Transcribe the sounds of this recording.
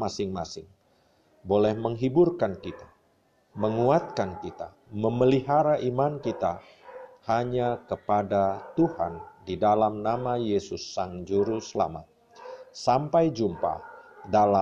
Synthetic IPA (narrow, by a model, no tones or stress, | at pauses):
masɪŋmasɪŋ | bolɛhməŋɦiburkankit̪ḁ | məŋuat̪̚kankit̪a̰ | məməliɦaɾaʔimankit̪a | haɲakəpadat̪uha̰ndidalamnamajesʊsːaŋd͡ʒuɾusəla̰ma̰t̪̚ | sampajd͡ʒumpa̰dala